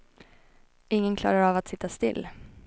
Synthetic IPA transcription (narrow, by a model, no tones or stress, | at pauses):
ɪŋːənkʰlɑ̰ːɾaɾavat̪sɪt̪ːast̪ɪlː